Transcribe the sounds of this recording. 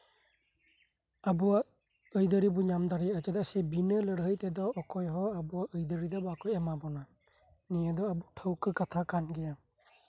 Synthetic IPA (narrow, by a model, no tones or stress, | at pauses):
abuwa | ɯjdɯɾibɔɲamdaɾiat͡ʃadasebinɯlɯɾɦɯjtɛdɔːkʰɔjɦɔabuaʔɯjdɯɾidɔbakʰɔjemabɔna | niadɔabutʰəwkʰɯkatʰakanɡɛja